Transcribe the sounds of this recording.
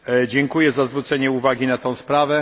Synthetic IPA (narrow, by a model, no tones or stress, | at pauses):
d͡ʑɛŋkujɛzazvɾut̪sɛɲɛuvaɡʲinat̪ɔ̃w̃spɾavɛ